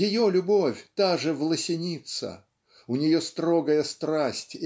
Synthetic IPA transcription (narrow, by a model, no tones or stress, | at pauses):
jɪjolʲʊbo̞fʲt̪aʐɨvlˠəsʲɪnʲit̪sə̰ | ʊnʲɪjo̞st̪ɾoɡəjəst̪ɾasʲtʲ